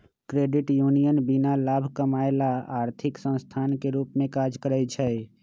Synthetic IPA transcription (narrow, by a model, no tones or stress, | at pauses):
kɾeɖiʈjunijənbinalabʱkəmaelaaɾt̪ʰiksə̃st̪ʰankeɾupmẽkad͡ʒkəɾɛt͡ʃʰɛ